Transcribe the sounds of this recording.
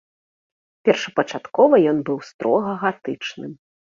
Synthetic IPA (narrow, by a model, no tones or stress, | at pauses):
pʲɛrʂɐpɐt͡ʂat̪kɔvɐjɔnbɨwst̪ɾɔɣɐɣat̪ɨt͡ʂnɨm